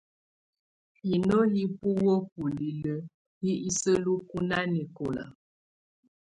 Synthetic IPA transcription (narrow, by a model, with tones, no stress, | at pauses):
i˨no˦li˦pu˦wə˦p̚u˨li˨lə˦ | hi˦i˦sə˦lu˦ku˦na˦ni˨ko˨la̰˨